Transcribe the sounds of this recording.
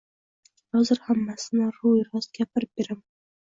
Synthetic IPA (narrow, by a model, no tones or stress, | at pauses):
hɒzɪɾhamːasɪnɪɾujɾɒszɡʲapʰɪɾɪp̚b̥eɾam